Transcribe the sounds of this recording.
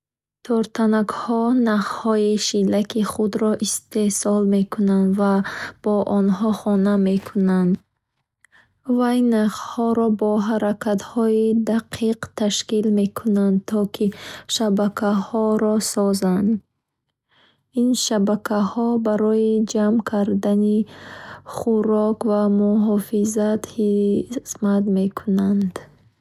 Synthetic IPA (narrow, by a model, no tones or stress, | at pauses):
t̪ʰɔɾt̪ʰanakhɔnaχhɔiʃilakiχud̪ɾɔʔist̪e̞sɔlmekʰunand̪vab̥ɔʔɔnɦɔχɔname̞kʰunand̪ | vajnaχhɔɾɔbɔɦaɾakʰat̪hɔid̪aqʰiqt̪ʰaʃkilme̞kʰunand̪̚t̪ʰɔkʰiʃabakʰahɔɾɔsɔzand̪ | inʃabakʰahɔbaɾɔjid͡ʒamkʰaɾd̪ani | χuɾɔkvamuɦɔfizat̪hismat̪me̞kʰunand̪